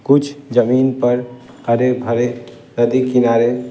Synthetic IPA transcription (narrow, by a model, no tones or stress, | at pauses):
kut͡ʃʰd͡ʒəminpəɾ | əɾebʱəɾe | ɾəd̪ikinaɾe